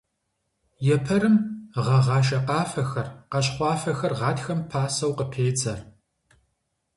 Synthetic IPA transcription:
jɛpʰɐɾɨmʁɐʁɑːʃ̬ɐqɑːfɐxɐrqɐɕχʷɑːfɐxɐrʁɑːtxɐmpʰaːsɐwqəpʰeːt͡sʼɐr

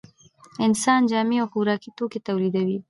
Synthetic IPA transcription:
ɪnsɑnd͡ʒɑmiawxuɾɑkit̪oket̪awlid̪awi

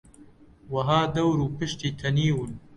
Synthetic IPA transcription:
wɐɦaːd̪ɐwɾuːpɨʃt̪iːt̪ʰɐniːwɨn

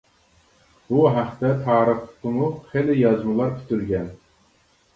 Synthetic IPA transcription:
buɦæχt̪ɛt̪ʰɑːɾəχˠt̪ɨmuχelɪjɑzmɨlˠɑɾkʲʰy̥t̪ʰyɾɡʲɛn

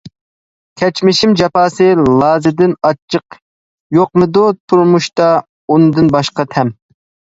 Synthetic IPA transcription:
kʲʰɛt͡ʃmɪʃimd͡ʒɑpʰɑːsɨlˠɑːzɨd̪ɪnɑt͡ʃʰːəq | joq̚mɨd̪ut̪ʰuɾmuʃt̪ɑ | unɨd̪ɨnbɑʃqɑt̪ʰɛm

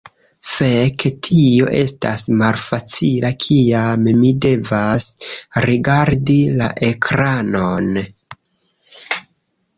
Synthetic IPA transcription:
feketʰio̞̰ʔe̞sta̰smalfat͡silakʰiammide̞vasɾiɡaɾdila̰ʔe̞kʰɾano̞n

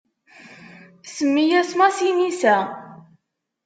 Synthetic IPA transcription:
səmːijæsmæsinisæ

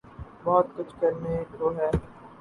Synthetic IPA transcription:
bɔːt̪kʊt͡ʃʰkɐɾnekɾoːɦɛː

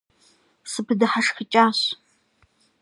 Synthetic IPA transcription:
sɨpʰɨdɨħaʂxət͡ʃʼaːɕ

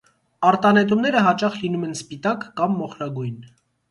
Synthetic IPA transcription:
ɑɾt̪ɑnɛt̪umnɛɾəɦɑt͡ʃɑχlinumɛnspit̪ɑkːɑmːɔχɾɑɡujn

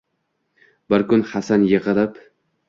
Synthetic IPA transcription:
bɪɾkʰʊnhasanjeʁɨlɪp

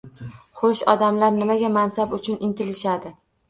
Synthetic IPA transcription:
χoʃɒd̪amlaɾnɪmaɡʲamansabʊt͡ʃʰʊnɪnt̪ɪlɪʃad̪ɪ

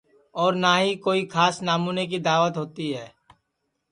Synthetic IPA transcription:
ɔːɾnaːɦikoːikʰaːsnaːmuːnek̬id̪aːʋət̪ɦoːt̪iɦɛː

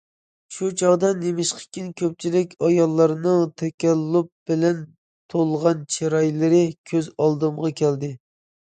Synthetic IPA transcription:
ʃut͡ʃʰɑʁd̪ɑnemɪʃqʰə̥kʲinkʲʰøp̚t͡ʃʰilɪkʲʰɑjɑlˠːɑɾnɨŋt̪ʰɛkʲɛlːup̚b̥ɪlɛn | t̪ʰolˠʁɑnt͡ʃʰeɾɑjlɪɾɪkʲʰøzɑlˠd̪ɨmʁɑkʲʰɛld̪ɪ

